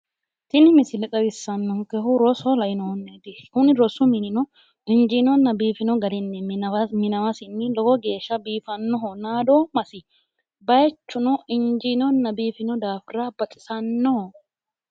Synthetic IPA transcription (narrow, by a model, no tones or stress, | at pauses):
t̪ɪnɪmɪsɪlɛt̪ʼɐbɪsːɐnːɔŋkɛɦʊɾɔsɔlɐjɪnɔhɔnːed̪ɪhʊnɪɾɔsʊmɪnɪnɔ | ɪnd͡ʒinɔnːɐbiːfɪnɔɡɐd̪ɪnːɛmɪnɐwɐsɪnːɪlɔɡɔɡe̞ːʃːɐbiːfɐnːɔɦɔnaːd̪ɔmɐsɪ | bɐjɛt͡ʃːʊnɔʔɪnd͡ʒinɔnːɐbiːfɪnɔd̪aːfɪɾabɐt͡ʃʼɪ̥sɐnːɔhɔ